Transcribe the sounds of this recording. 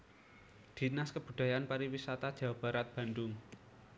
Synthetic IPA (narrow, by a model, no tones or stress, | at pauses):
d̪̥i̤naskəb̥ṳd̪̥a̤janpaɾiwisat̪ad̥ʒ̥a̤wab̥a̤ɾat̪̚b̥a̤ndʊŋ